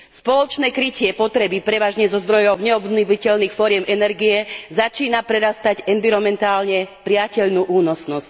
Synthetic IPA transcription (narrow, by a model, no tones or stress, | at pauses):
spɔlɔt͡ʃnɛːkɾicɪɛpɔt̪ɾɛbipɾɛʋaːʒɲɛzɔzd̪ɾɔjɔʊɲɛɔbniʋicɛʎniːxfɔɾɪɛmɛnɛɾɡiɛzat͡ʃiːnapɾɛɾast̪aɟɛnʋiɾɔmɛnt̪aːlɲɛpɾɪacɛʎnuːʔuːnɔsnɔsc